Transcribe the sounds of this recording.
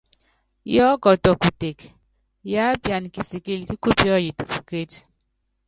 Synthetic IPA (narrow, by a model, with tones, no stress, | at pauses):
jɔː˦ɡɔ˨tɔ˨ku˨te˨k | ja˦bja˨nki˨si˨ki˦lki˦ku˦pɔ˦ji˨tku˨ke˦t